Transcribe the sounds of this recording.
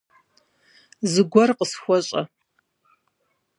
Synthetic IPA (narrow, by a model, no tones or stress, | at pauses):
zɨɡʷɔrqəsxʷɔɕʼɐ̰